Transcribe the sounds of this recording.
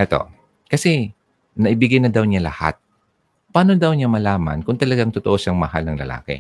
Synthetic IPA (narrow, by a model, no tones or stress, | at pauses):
ʔɛt̪o̞̰ | kɐsɛ | nɐʔɪbɪɡajnɐd̪awɲalɐ̰ha̰t̪̚ | paːnod̪ɐwɲamɐlaːmɐ̰nkʊŋt̪ɐlɐɡaŋt̪ʊt̪oʔo̞saŋmɐhalnɐŋlɐ̰la̰ːkɛ̰